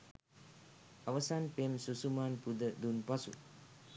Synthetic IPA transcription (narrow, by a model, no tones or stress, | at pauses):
awɐsanpemsusumanpud̪əd̪unpasṵ